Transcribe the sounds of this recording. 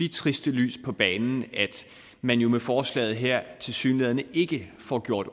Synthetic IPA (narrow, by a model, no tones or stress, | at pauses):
i̥t͡sʰʁisd̥əly̰ːspʰɒ̽b̥ɛːnn̩æd̥ | mænjo̝mefɒːslɛ̰ːð̩ˠɦeɐ̰t͡sʰe̝lsy̰ːnlɛðˠɐnəe̝ɡ̥əfɒɡ̥jo̝ɐ̰d̥